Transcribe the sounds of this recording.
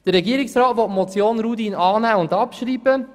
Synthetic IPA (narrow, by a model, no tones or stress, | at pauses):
d̥əɾːɛɡiːəɾɪksrɑːtʋɔtmɔt͡sjoːnɾuːdiːnɑːnæːʊndɑpʃɾiːbə